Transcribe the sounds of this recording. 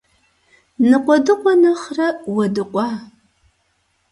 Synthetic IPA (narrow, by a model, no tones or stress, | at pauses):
nɨqʷɔdɨqʷɔnɐχrɐwɐdɨqʷʼɑː